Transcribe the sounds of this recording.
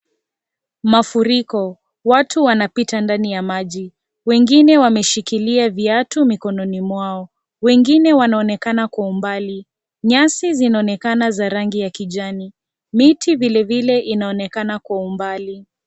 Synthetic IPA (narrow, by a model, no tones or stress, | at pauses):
mafuɾikɔ | watʰuwanapitandanijamaʄi | wɛŋɡinɛwamɛʃikiliaviatumikɔnɔnimwaɔ | wɛŋɡinɛwanaɔnɛkanakwaumbali | ɲasizinaɔnɛkanazaɾaŋɡijakiʄani | mitʰivilɛvilɛʔinaɔnɛkanakwaumbali